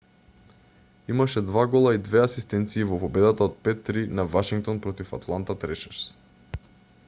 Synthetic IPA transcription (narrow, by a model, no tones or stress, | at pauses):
imaʃɛd̪vaɡɔlˠaid̪vɛasist̪ɛnt̪siːvɔpɔbɛd̪at̪aot̪̚pɛt̪ːɾinavaʃiŋk̚t̪ɔnpɾɔt̪ifa̰t̪lˠant̪at̪ɾɛʃɛɾs